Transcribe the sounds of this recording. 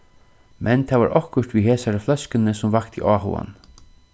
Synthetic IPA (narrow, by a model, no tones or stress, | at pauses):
mʔɛnt̪ʰɛːʋa̰ːɾʔɔhkʊʂt̪ʋiɦeːsaɾəflœskɪnəsʊmvakt̪ʰḭʔaːɦṵa̰n